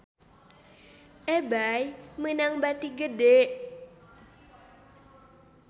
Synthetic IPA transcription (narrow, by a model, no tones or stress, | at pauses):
ʔebajmənaŋbat̪iɡədeʔ